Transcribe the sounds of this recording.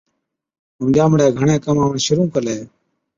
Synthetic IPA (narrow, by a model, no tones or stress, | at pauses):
əmd͡ʒaːmɽeːɡʱəɳẽːkəmaːʋəɳʃʊɾũːkəleː